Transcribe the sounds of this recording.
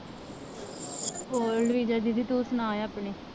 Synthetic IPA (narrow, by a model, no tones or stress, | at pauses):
oːlʋiːd͡ʒaːd͡ʒid̪iːt̪oːsənãːẽapɳeː